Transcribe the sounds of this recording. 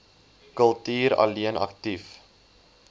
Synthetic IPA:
kəlˠtiːɾɐ̰liənɐ̰ktif

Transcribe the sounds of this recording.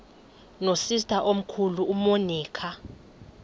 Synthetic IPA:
nosistʰʼaʔom̩kʰuluːmoniːkʰa

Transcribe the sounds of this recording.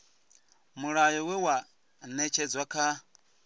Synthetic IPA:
muɺajɔwɛwa | nɛt͡ʃʰɛd͡zwakʰa

